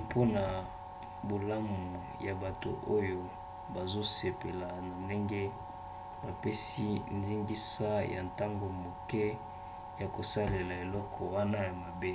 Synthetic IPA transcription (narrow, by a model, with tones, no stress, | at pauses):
pʰo˦na˨ | bo˨la˦mu˨ | ja˨ba˨to̰˨ʔo˦jo˨ | ba˨zo˦se˨pe˨la˨na˨nde˦ŋɡɛ˦ | ba˨pɛ˦si˦ndi˦ŋɡi˦sa˦ja̰˨nta˦ŋɡo˨mo˨kɛ˦ | ja˨ko˨sa˦le˨la˨e˨lɔ˦kʰɔ˨wa˦na˦ja˨ma˨be˦